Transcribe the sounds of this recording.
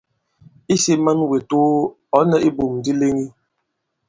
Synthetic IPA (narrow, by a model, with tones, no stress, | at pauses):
i˦se˦ma˦nwe˨toː˦ | ɔ˨˦nə˨ʔi˦bo˨mdi˦le˦ŋi˦